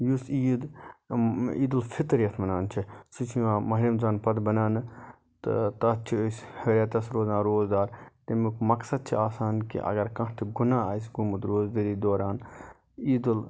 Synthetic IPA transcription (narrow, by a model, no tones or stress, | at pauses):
jusiːd̪ | ḭːd̪ulfʰɪt̪ɾjɐt̪ʰmɐnaːnt͡ʃʰisut͡ʃʰiʋãːmɐɦɾimzaːnpɐd̪bɐnaːnɨ | t̪ɨ̰t̪ɐt͡ʃʰiosheːɾʲaːt̪ɐsɾoːzãːnɾoːzd̪aːɾt̪ɐmukmɐksɐd̪̚t͡ʃʰiaːsaːnkḭʔɐ̰ɡɐɾkɐ̃ɦt̪ʰiɡunaːaːjs̬ɡumut̪ɾoːzd̪eɾiːd̪oːɾaːn | iːd̪ul